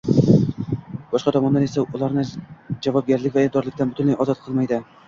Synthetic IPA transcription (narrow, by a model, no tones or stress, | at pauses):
b̥ɒʃqɑt̪ʰɒmɒnd̪anesaʊlˠaɾnɪd͡ʒavɒb̚ɡʲaɾlɪkʲvaɪd̪ɒɾlˠɪk̚ʲt̪ʰanbʊt̪ʰʊnlajɒzɒt̪̚qʰɨlˠmajd̪ɪ